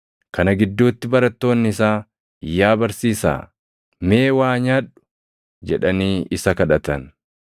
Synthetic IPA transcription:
kɐnɐɡɪd̪ːuːt̪ːɪbɐɾɐt̪ːo̞ːnːɪɪsaː | ɪjːaːbɐɾsiːsa̰ː | me̞ːwaːɲaːᶑʊ̥ | d͡ʒɛᶑɐniːʔɪsɐkɐᶑɐt̪ɐn

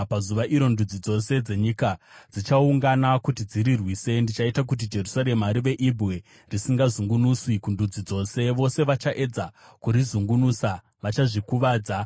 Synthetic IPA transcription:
pazuʋaʔiɾo̞ndud͡zid͡zo̞se̞d͡ze̞ɲikad͡zit͡ʃauŋɡanakutid͡ziɾirwiːse̞ndit͡ʃaitak̬ut̬id͡ʒe̞rusaɾe̞maɾiʋe̞ʔibwe̞ | risiŋɡazuŋɡunuswikundud͡zid͡zo̞ːse̞ʋo̞se̞ʋat͡ʃaʔe̞d͡za | kuɾizuŋɡunuːsa | ʋat͡ʃaʐikuʋaːd͡za

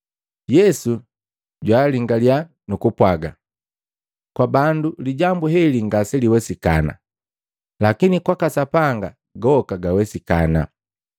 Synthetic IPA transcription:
jɛsu | ɟwaːliŋɡalja | nukupwaɡa | kwabanduliɟambuɦɛliŋɡasɛliwɛsika̰na̰ | lakinikwakasapaŋɡa | ɡɔkaɡawɛsika̰na̰

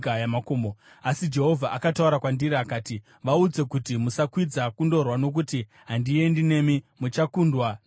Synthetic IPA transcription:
kajamakoːmo | asid͡ʒe̞ɦo̞vʱaʔakatauɾakwandiɾiakaːti | ʋaud͡ze̞kutimusakwid͡zakundo̞rwano̞k̬uti | ɦandie̞ndine̞ːmimut͡ʃakuːndwa

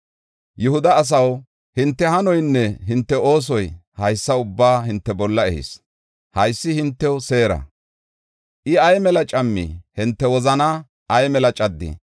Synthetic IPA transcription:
jʊhʊd̪ɐːs̬ɐw | hɪnt̪ːɛhɐnɔjnːɛɦɪnt̪ːɛo̞ːs̬ɔjhɐjsːɐʊbːaːɦɪnt̪ːɛbɔlːɐɛhɪ̰s | hɐjsːɪhɪnt̪ːɛwʊse̞ːɾɐ̰ | ʔɪɐjmɛlɐt͡ʃʼɐmːḭhɪnt̪ːɛwɔzɐna | ɐjmɛlɐt͡ʃʼɐd̪ːḭ

